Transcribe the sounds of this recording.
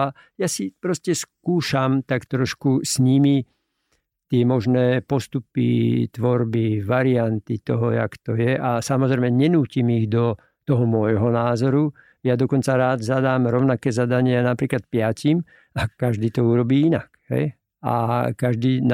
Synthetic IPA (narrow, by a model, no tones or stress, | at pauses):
a | jasipɾɔscɛskuːʃamt̪akt̪ɾɔʃkusɲimi | t̪ɪɛmɔʒnɛːpɔst̪upḭt̪ʋɔɾbiʋaɾiant̪it̪ɔɦɔja̰kt̪ɔjɛʔasamɔzɾɛɪmɛɲɛnuːcimiɣd̪ɔ | t̪ɔɦɔmɔjɦɔnaːzɔɾu | jad̪ɔkɔnt͡saɾaːd̪zad̪aːmɾɔʊnakɛːzad̪aɲɪanapɾiːklat̪̚pɪacim | akaʒd̪iːt̪ɔuɾɔbiːinakɦɛ̰j | a̰kaʒd̪iːn